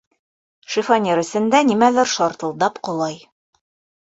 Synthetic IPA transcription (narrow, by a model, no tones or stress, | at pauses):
ʃifɑnʲeɾɘ̆sɘ̆nd̪ænimælɘɾʃɒɾt̪ɤ̆lˠd̪ɑpqŏlˠɑj